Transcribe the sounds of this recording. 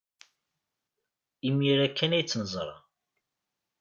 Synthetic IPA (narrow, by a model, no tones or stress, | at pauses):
imiɾækːænæjt͡sːnəzˤɾˤɑ̰